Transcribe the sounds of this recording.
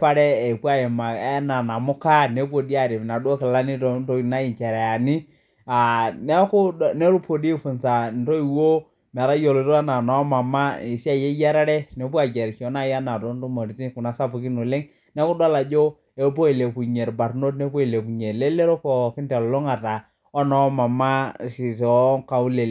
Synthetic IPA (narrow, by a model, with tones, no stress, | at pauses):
pa˦ɾɛ˦e˨pu˦a˦je˨ma˨e˦na˨na˨mʊ˦ka˦ne˨˦p̬o˨di˦a˨ɾi˨m˨na˨do˦kɪ˨la˦ni˦to˦n˦to˦˨na˦ji˨t͡ʃɛ˨ɾɛ˨a˨ni˦ | a˨ne˦ku˦˨ne˦ɾu˦po˨di˦fu˨nsa˨n˨to˦i˨wo˦ | mɛ˨ɾa˦jo˨lo˨˦ɾo˦a˦na˨na˨˦ma˨ma˦i˨si˦a˦˨je˦ja˦ɾa˦ɾɛ˦ne˨˦pu˦a˨d͡ʒe˨ɾko˨˦na˦ja˦na˨to˨˦n˦to˦mo˨ɾi˨t͡ʃi˦ku˨na˨sa˦pu˨ki˦no˨le˦ŋ | ne˦ku˦da˦la˨d͡ʒo˦ | e˨˦bo˦i˨le˨pu˨ɲe˨ɾba˨ɾno˦tne˦po˦i˨le˨pu˨ɲe˨le˦le˦ɾo˦po˨ki˦nte˨llo˦ŋa˨ta˨ | ɔ˦nɔ˦ma˨ma˦i˨tɔ˨˦ŋka˨u˦le˨l